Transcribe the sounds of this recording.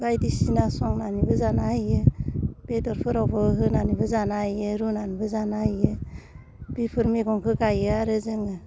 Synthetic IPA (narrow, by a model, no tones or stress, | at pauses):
bajdisinasɔŋnanibɯzanajəb̥edɔɾpʰɯɾɔbɔhɯnanibɯzanajeɾunanibɯzanajə | b̥ipʰɯɾmeɡɔŋkʰɯɡajɯaɾɯzɯŋɯ